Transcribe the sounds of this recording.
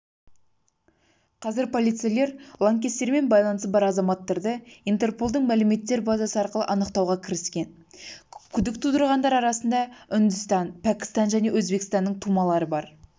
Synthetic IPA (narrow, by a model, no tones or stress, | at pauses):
qʰɑzɪɾpʰo̞lˠijt̪sijele̞ɾlˠaŋkʲe̞st̪e̞ɾme̞nbɑjlˠɑnəsəbɑɾɑzɑmɑt̪ːɑɾd̪əint̪e̞rpo̞lˠd̪əɴmælɪme̞t̪ːe̞ɾbɑzɑsəɑɾqəlˠə̰ʔɑnəqt̪ɑwʁɑkʲʰɪɾɪskʲe̞n | kʲʰʏd̪ɪkt̪ʰud̪əɾʁɑnd̪ɑɾɑɾɑsənd̪ɑʏnd̪ʊst̪ɑnpʰækʲɪ̥st̪ɑnʒæne̞wɵzbe̞kst̪ɑnːəɴt̪ʰumɑlˠɑɾəbɑɾ